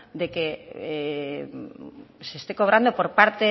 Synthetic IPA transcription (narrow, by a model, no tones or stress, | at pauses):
d̪eke | sest̪ekoβ̞ɾand̪opoɾpaɾt̪e